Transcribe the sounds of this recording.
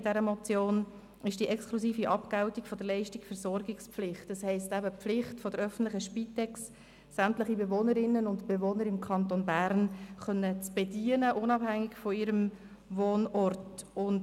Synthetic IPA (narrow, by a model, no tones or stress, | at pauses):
d̥ɛɾəmɔt͡sjoːn | ɪʃd̥iʔɛkskʰlusiːfiʔɑpkaʊtikfɔd̥əlɛɪʃtɪkfəɾsɔɾɡɪkspflɪχtːɑshɛɪstæbəflɪχtfɔd̥əɾœfən̩tlɪχəʃpitɛksː | æmtləχibevoːnəɾɪnːənʊntb̥evoːnəɾɪmkʰɑnt̪onbæːɾnχœnːət͡sb̥ediənəʔʊnɑbhæŋːɪkfɔɪɾəm | voːnɔrtʊnd